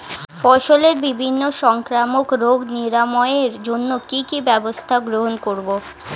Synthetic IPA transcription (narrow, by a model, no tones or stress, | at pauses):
fɔʃoleɾbibʱinːoʃɔŋkɾamokɾoɡniɾamɔeeɾd͡ʑonːokikibɛbost̪ʰaɡɾoɦonkoɾbo